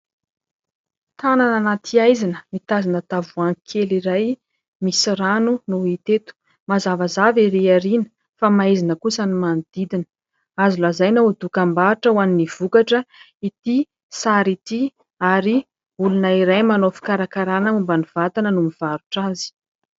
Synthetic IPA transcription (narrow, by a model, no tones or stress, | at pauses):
t̪ʰanananat̪ʰiajzinəmit̪azanət̪avuaŋkʰeliɾaj | misiɾanunuit̪et̪u̥ | mazavazaviɾiaɾinə̥ | famaizinəkusənimand̪̥id̪inə̥ | azulazajnad̪ukambaʈ͡ʂəwaniniv̥ukaʈ͡ʂə | it̪i | saɾit̪i | aɾi | ulunəiɾajmanofi̥kaɾakaɾanəmumbaniv̥at̪anənumiv̥aɾuʈ͡ʂazi̥